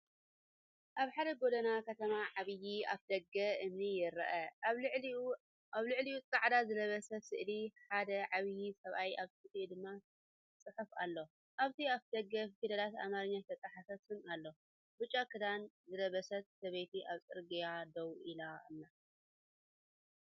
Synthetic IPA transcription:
ʔaβħad̪ɐɡo̞d̪ɐnakʰɐt̪ʰɐmaʕaβɨjiaβd̪ɐɡɐʔɨmnijɪɾɐ̰ʔɐ | aβlɨʕliut͡sʼaʕd̪azɨlɐβɐsɐsɨʔliħad̪ɐʕaβɨjisɐβʔajaβsɨt̪ʼid̪ɨmːa | t͡sʼɨħufa̰lːo̞ | ʔaβt̪ʰiad̪ɐɡːɐfid̪ɐlat̪a̰maɾɲːat̪ʰɐt͡sʼaħafɐt̪ʰɨnalːo̞ | bɨt͡ʃʼːakʰɨd̪anzɨlɐβɐsɐt̪̚sɐβejt̪ʰiʔaβt͡sʼɨɾɡijad̪ɐwʔilanːa

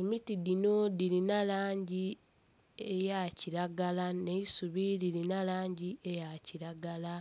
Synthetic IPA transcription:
emitidino̞diɾinalaːɲɟi | ejaciɾaɡalane̞isuβidilinalaːɲɟiejaciɾaɡala

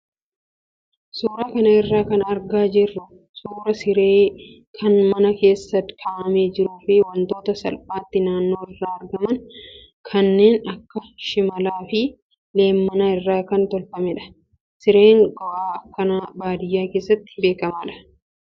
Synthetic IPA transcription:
suːɾaːkɐnɐɪrːaːkɐnɐɾɡaːd͡ʒɪrːʊ | suːɾɐsɪɾeː | kʰɐnmɐnɐke̞ːsːɐt̪kʰaːʔɐmeːd͡ʒɪɾʊːfɪwɐnt̪o̞ːt̪ɐsɐ̰lpʼaːt̪ːɪnaːnːo̞ːɪrːaːɐɾɡɐmɐn | kʰɐnːeːnɐkːɐʃɪmɐlaːfɪ | le̞ːmːɐnaːɪrːaːkɐnt̪ɔlfɐmɛᶑɐ̥ | sɪɾeːŋɡɔʔaːɐkːɐnabaːd̪ɪjːaːke̞ːsːɐt̪ːɪ̥be̞ːkɐmaːᶑɐ̥

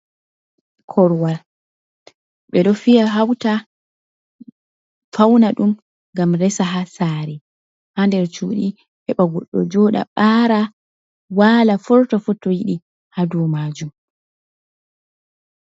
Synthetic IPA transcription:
kʰɔɾwaɾ | ɓɛɗɔfijaɦawta | fawnaɗum | ŋɡamɾɛsaɦasaɾɛ | handɛɾt͡ʃuːɗi | hɛɓaɡɔɗːɔ̰d͡ʒɔɗa̰ɓaːɾa | waːlafɔɾtɔfutːɔjiɗi | hadumaːd͡ʒum

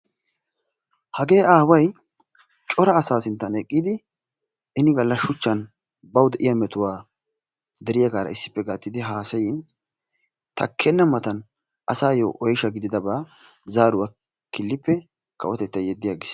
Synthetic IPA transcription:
hɐɡe̞ːʔaːwɐj | t͡ʃʼɔɾɐːsaːsɪnt̪ːɐnɛkʼːid̪ɪ | ʔɪnɪɡɐlːɐʃʊt͡ʃːɐn | bɐwd̪ɛʔɪjɐmɛt̪ʊwaː | d̪ɛɾɪjɐɡaːɾɐ̰ɪsːɪ̥pːɛɡaːt̪ːɪd̪ɪɦaːsɐjɪn | t̪ʰɐ̰kʰːɛnːɐmɐt̪ɐn | ʔɐsaːjoːʔɔjɪʃɐɡɪd̪ɪd̪ɐbaːzaːɾʊwa | kɪlːɪpːɛ | kɐ̰wɔt̪ɛt̪ːɐjɛd̪ːɪjaːɡɪs

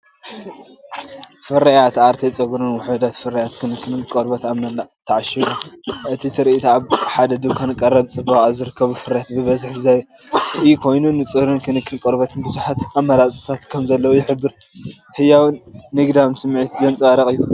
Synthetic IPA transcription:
fɨɾɐjat̪ʔaɾt̪ʰet͡sʼɐɡɾunwɔħɨd̪at̪fɨɾɐjat̪kʰɨnɨkʰːɨnɨnkʼoɾbɐt̪aβnɐlːat̪ʰːɐʕaʃɐluʔɨt̪ʰit̪ʰɨɾiit̪ʰaaβħad̪ɐd̪ɨβkʰɐnɨkʼɐrːɐβt͡sʼɨbːɐχʼazɨɾɨkʰːɐβufɨɾɐjat̪bɨβɐzɨħzaj | ɨjukʰo̞jnunɨt͡sʼɨɾɨnkʰɨnɨkʰːɨnkʼoɾbɐt̪ʰɨnbɨzuħat̪amːɐɾat͡sʼɨt̪ʰat̪kʰɐmzɐlːɐwujɪħɨbːɨɾ | hɨjawɨnːɨɡd̪amsɨmːʕɨt̪zɐnt͡sʼaɾɐqʼɨjːu

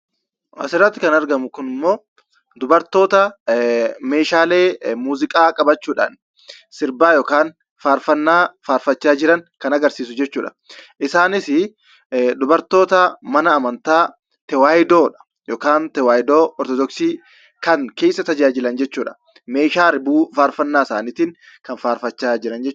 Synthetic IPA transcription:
ʔɐ̰sɪɾɐt̪ːɪkɐnɐɾɡɐmʊkʊnɪmːo̞ː | d̪ʊbɐɾt̪o̞ːt̪ɐ | me̞ːʃaːle̞ːmuːzɪkʼaːkʼɐbɐt͡ʃːuːᶑa̰ːn | sɪɾbaːjɔːkaːn | faːɾfɐnːaːfaːɾfɐt͡ʃːaːd͡ʒɪɾɐŋkɐnɐɡɐɾsiːs̬ʊd͡ʒɛt͡ʃːuːᶑɐ̥ | ʔɪsaːnɪsɪ | d̪ʊbɐɾt̪o̞ːt̪ɐmɐnɐːmɐnt̪aː | t̪ɛwaːjd̪o̞ːᶑɐ̥ | jɔːkaːnt̪ɛwaːjɪd̪oːɔɾt̪ɔd̪ɔksiː | kɐŋke̞ːsːɐt̪ɐd͡ʒaːd͡ʒɪlɐnd͡ʒɛt͡ʃːuːᶑɐ̥ | me̞ːʃaːɾɪbuːfaːɾfɐnːaːsaːnɪːt̪ɪŋ | kɐnfaːɾfɐt͡ʃːaːd͡ʒɪɾɐnd͡ʒɛt͡ʃː

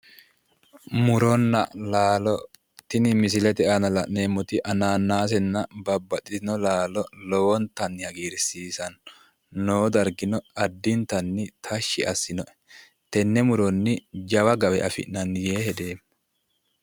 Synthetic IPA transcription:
mʊɾɔnːɐ̰laːlɔ | t̪ɪnɪmɪs̬ɪlɛt̪ɛʔanɐlɐʔneːmːɔt̪ɪʔɐnaːnːaːs̬ɛnːɐbɐbːɐtʼːɪt̪ɪnɔlaːlɔlɔwɔnt̪ɐnːɪhɐɡiːɾsiːsɐnː | oːd̪ɐɾɡɪnɔɐd̪ːɪnt̪ɐnːɪt̪ʰɐʃːɪʔɐsːɪnɔʔɛ̥ | t̪ɛnːɛmʊɾɔnːɪd͡ʒɐwɐɡɐwɛʔɐfɪ̰nɐnjeːhɛd̪eːm

